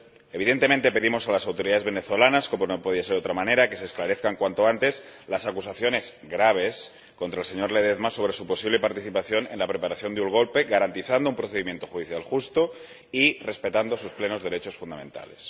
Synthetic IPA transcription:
e̞βiðe̞nt̪e̞ment̪e̞pe̞ðimo̞salasawt̪oɾiðaðe̞zβe̞neθo̞lanaskomonopoð̞iaseɾðo̞t̪ɾamãne̞ɾake̞se̞ːsklaɾe̞θkaŋkwant̪o̞ant̪e̞zlasakusaθjo̞ne̞zɡɾaβ̞e̞s | kont̪ɾaelse̞ɲo̞ɾleð̞eðmaso̞β̞ɾe̞supo̞siβle̞paɾt̪iθipaθjo̞ne̞̰nlapɾe̞paɾaθjo̞nd̪euŋɣo̞lpe̞ɣaɾant̪iθand̪oumpɾoθeðimje̞nt̪o̞xuðiθjalxust̪o | ire̞spe̞t̪and̪osusple̞no̞zðe̞ɾe̞t͡ʃo̞sfund̪amẽ̞nt̪a̰le̞s

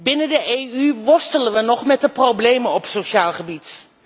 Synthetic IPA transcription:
bɪnəndəʔejyʋɔstələnʋənɔχmɛtdəproblejmənɔpsoʃaːlˠχəbit

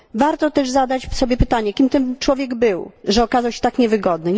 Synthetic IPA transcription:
vaɾt̪ɔt̪ɛʐzad̪at͡ɕsɔbʲjɛpɘt̪aɲɛkʲimt̪ɛmt͡ʂwɔvʲjɛɡbɘwʐɛɔkazawɕɛ̥t̪akɲɛvɘɡɔd̪nɘ

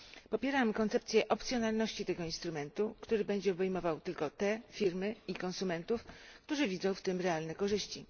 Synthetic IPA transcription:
pɔpʲjɛɾamkɔnt̪sɛp̚t̪sʲjɛʔɔpt̪sʲjɔnalnɔɕt͡ɕit̪ɛɡɔinst̪ɾumɛnt̪ukt̪uɾɘbɛɲd͡ʑɛɔbɛjmɔvawt̪ɘlkɔt̪ɛfʲiɾmɘikɔnsumɛnt̪ufkt̪uʐɘvʲid̪zɔ̃w̃ft̪ɘmɾɛalnɛkɔʐɘɕt͡ɕi

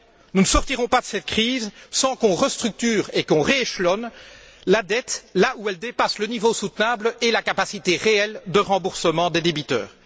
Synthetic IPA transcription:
nunəsɔʁt̪iʁɔ̃pad̪əsɛt̪̚kχiːzsɑ̃kɔ̃ʁəst̪χyk̚t̪yːʁekɔ̃ʁeeʃlɔn | lad̪ɛt̪lauɛld̪epaslənivosut̪nablelakapasit̪eʁeɛld̪əʁɑ̃buʁsəmɑ̃d̪ed̪ebit̪œ̰ːʁ

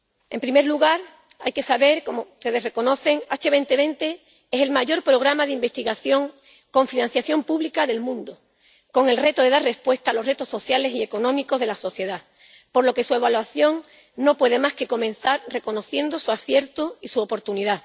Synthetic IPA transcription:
e̞mpɾime̞ɾluɣaɾ | a̰jke̞saβe̞ɾko̞mout̪e̞ðe̞sre̞ko̞no̞θe̞ŋat͡ʃe̞βe̞nt̪e̞βe̞nt̪e̞ | ese̞lmaʝo̞ɾpɾo̞ɣ̞ɾamaðeimbe̞st̪iɣaθjo̞ŋ | ko̞ɱfinãn̟θjaθjo̞mpuβlikaðe̞lmũnd̪o | ko̞ŋe̞lre̞t̪oðe̞ðaɾre̞spwe̞st̪aːlo̞ɦret̪o̞sːo̞θjale̞sie̞ko̞nõ̞miko̞zð̞e̞laso̞θje̞ða | po̞ɾlo̞ke̞sue̞βalwaθjo̞ŋ | no̞pwe̞ð̞e̞maske̞ko̞mẽ̞n̟θaɾre̞ko̞no̞θje̞nd̪osuaθje̞ɾt̪oisuopo̞ɾt̪uniða

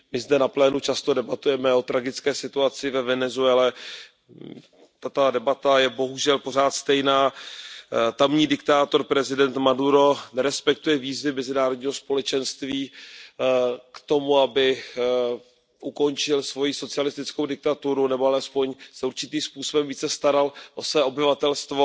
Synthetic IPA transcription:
mɪzdɛnaplɛːnut͡ʃast̪odɛbat̪ujɛmɛo̞t̪ɾaɡɪt͡skɛːsɪt̪uat͡sɪvɛvɛnɛzuɛlɛ | t̪at̪odɛbat̪ajɛbo̞ɦuʒɛlpo̞r̝aːt̪st̪ɛjnaː | t̪amɲiːdɪk̚t̪aːt̪o̞ɾpɾɛzɪdɛnt̪maduɾo̞nɛɾɛspɛk̚t̪ujɛviːzvɪmɛzɪnaːɾodɲiːɦospo̞lɛt͡ʃɛnst̪viː | kt̪o̞muabɪ | ʔuko̞nt͡ʃɪlsvo̞jiso̞t͡sɪalɪst̪ɪt͡sko̞wdɪk̚t̪at̪uɾunɛboalɛspo̞ɲsɛuɾt͡ʃɪt̪iːmspuːso̞bɛmviːt͡sɛst̪aɾalʔo̞svɛːʔo̞bɪvat̪ɛlst̪vo̞

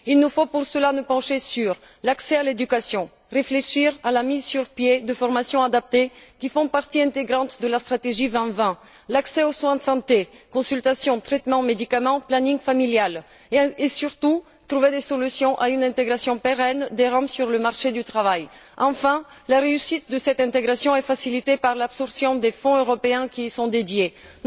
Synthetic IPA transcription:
ilnufopuʁsəlanəpɑ̃ʃesyʁ | laksɛaled̪ykasjɔ̃ | ʁefleʃiʁalamizsyʁpjed̪əfɔʁmasjɔ̃ad̪ap̚t̪ekʲifɔ̃paʁt̪iɛ̃t̪eɡʁɑ̃t̪d̪əlast̪χat̪eʒivɛ̃vɛ̃ | laksɛoswɛ̃d̪əsɑ̃t̪ekɔ̃sylt̪asjɔ̃t̪χɛt̪mɑ̃med̪ikamɑ̃planĩŋfamiljal | esyʁt̪u | t̪ʁuved̪esɔlysjɔ̃ʔaynɛ̃t̪eɡʁasjɔ̃peʁɛnd̪eʁɑ̃bsyʁləmaʁʃed̪yt̪χavajɑ̃fɛ̃ | laʁeysit̪̚d̪əsɛt̪ɛ̃t̪eɡʁasjɔ̃ɛfasilit̪epaʁlabsɔʁsjɔ̃d̪efɔ̃øʁɔpeɛ̃kʲisɔ̃d̪ed̪je

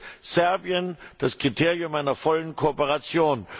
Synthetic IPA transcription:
z̥ɛɐbiənd̥askʁ̥itʰeːʁiʊmʔaɪnɐfɔlənkʰopəʁat͡sjoːn

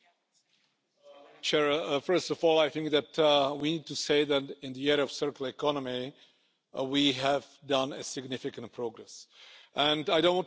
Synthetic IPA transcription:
t͡ʃʰɛɹfɜ˞stɔvɔlˠajθɪ̃ŋk̚ðætwiniːd̚tuseɪðætɪ̃nðiɛɹəɔv̥sɜɹkl̩ˠɛkʰɑnəmi | wiɦævdʌ̃nɨsɪɡnɪfɪkə̃nt̚pʰɹoɡɾɛsʔə̃ndajdõʊ̃nwɔ̃n

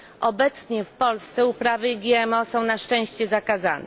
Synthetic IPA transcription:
ʔɔbɛt̪sɲɛfpɔlst̪sɛupɾavɘiɡʲjɛɛmɔsɔ̃w̃naʂt͡ʂɛ̃w̃ɕt͡ɕɛzakaza̰nɛ̰

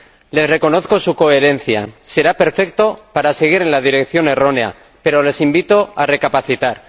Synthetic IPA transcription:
le̞sre̞ko̞no̞θko̞suko̞e̞ɾe̞nθja̰se̞ɾape̞ɾfe̞k̚t̪o̞paɾase̞ɣ̞iɾe̞nlaðiɾe̞k̚θjo̞ne̞ro̞ne̞a̰ | pe̞ɾo̞le̞simbit̪o̞are̞kapaθit̪aɾ

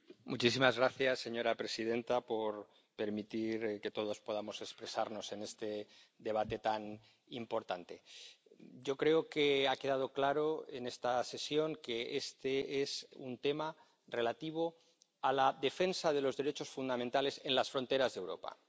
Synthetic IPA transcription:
mut͡ʃisimazɣɾaθjasːe̞ɲo̞ɾapɾe̞sið̞e̞nt̪apo̞ɾ | pe̞ɾmit̪iɾke̞t̪o̞ð̞o̞spo̞ð̞amo̞se̞kspɾe̞saɾno̞se̞ne̞st̪e̞ | d̪e̞β̞at̪e̞t̪an | impo̞ɾt̪ant̪e̞ | ɟ͡ʝo̞kɾe̞oke̞ake̞ð̞að̞o̞klaɾo̞e̞ne̞st̪ase̞sjo̞ŋke̞est̪eesṵnt̪e̞ma | re̞lat̪iβ̞o̞ | alaðe̞fe̞nsaðe̞lo̞zðe̞ɾe̞t͡ʃo̞sfund̪amẽnt̪ale̞se̞nlasfɾo̞nt̪e̞ɾazðe̞wɾo̞̰pa̰

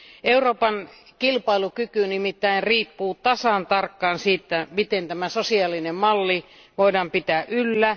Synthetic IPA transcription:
euroːpɑn | kilpɑilukykynimit̪ːæinriːpːuːt̪ɑsɑnt̪ɑrkːɑːnsiːt̪ːæmit̪ent̪æmæsosiɑlinemmɑlːi | ʋoidɑːmpit̪æʔʔylːæ

